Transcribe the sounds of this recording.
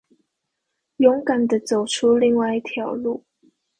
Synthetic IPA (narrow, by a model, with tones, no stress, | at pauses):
jʊ˧˥ŋka˨˩nd̪ə˦t͡so˨˩ʊʈ͡ʂʰu˥li˥˧ŋwa˥˧ɪi˧˩t̪ʰjɑ˨˩ʊlu˥˩